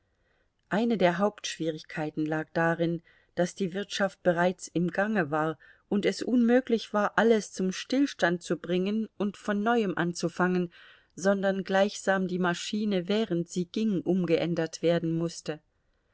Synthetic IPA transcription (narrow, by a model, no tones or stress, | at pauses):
ʔaɪnədeːɐɦaʊptʃv̥iːʁɪçkʰaɪtn̩laːk̚d̥aʁɪn | d̥asd̥iːvɪɐtʃaft̚b̥əʁ̞aɪt͡sɪmɡaŋəvaːɐ | ʔʊntɛsʔʊnmøːklɪçv̥aːɐʔaləst͡sʊmʃtɪlʃtant̚t͡subʁɪŋənʔʊntfɔnːɔʏəmʔant͡sufaŋən | zɔndɐnɡlaɪçz̥aːmdiːmaʃiːnəvɛːʁəntz̥iːɡ̥ɪŋʔʊmɡəʔɛndɐtv̥eːɐdn̩mʊstə